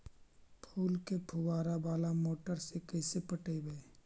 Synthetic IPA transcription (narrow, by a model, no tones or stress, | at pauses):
pʰuːlkepʰuwaːɾabaːlamoːʈəɾsekəːsepəʈəbeː